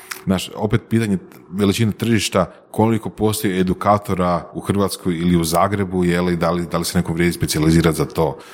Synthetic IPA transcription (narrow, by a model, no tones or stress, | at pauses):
znaːʃo̞pe̞t̪̚piːt̪aɲe | ʋe̞lit͡ʃinat̪r̩ʒiʃt̪a | ko̞liko̞po̞ːst̪ojeed̪ukaːt̪o̞ɾauxr̩ʋat̪skojiliuzaːɡɾe̞bujelid̪alid̪alise̞nekoʋɾʲjed̪ispet̪sializiːɾat̪zat̪o̞ː